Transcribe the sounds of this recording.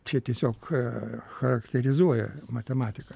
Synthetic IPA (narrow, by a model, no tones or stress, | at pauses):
t͡ʃʲɛt̪ʲiɛsʲoːk | xɐɾɐkt̪ʲɛɾʲɪzuɔjɛ̰mɐt̪ʲɛmɑːt̪ʲɪkɐ